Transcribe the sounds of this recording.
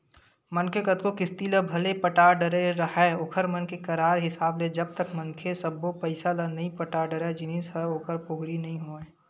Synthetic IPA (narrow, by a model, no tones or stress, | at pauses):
mənkʰekət̪̚kokɪst̪iləbʱɐlepəʈaːɖəɾeɾɐɦɛoːkʰəɾmənkekɐɾaːɾɦɪsaːbled͡ʒɐb̚t̪əkmənkʰesəbopəɪsalənɐĩpəʈaːɖəɾed͡ʒɪnisəoːkʰəɾpoɦɾinɐɦĩɦoːẽː